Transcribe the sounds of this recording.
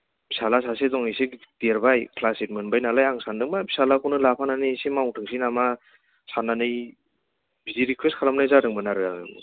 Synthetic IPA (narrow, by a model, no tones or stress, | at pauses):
b̥ʰi̥salas̬asedɔŋised̥eɾbajkʰlasit̚mɯnbajnalajaŋsandɯŋmabʰi̥salakɔnɯlapʰananɯsemawŋtʰɯŋsinama | sanːanɯj | bidiɾikʰwestkʰalamnajzadɯŋmɯnaɾɯa̰ɯ̰mɯ̰